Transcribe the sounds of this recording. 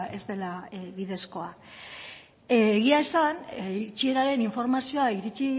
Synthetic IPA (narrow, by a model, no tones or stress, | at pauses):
e̞zd̪e̞laβiðe̞sko̞a | ɣ̞iaesant͡ʃie̞ɾaɾe̞niɱfo̞ɾmasio̞aiɾit͡ʃi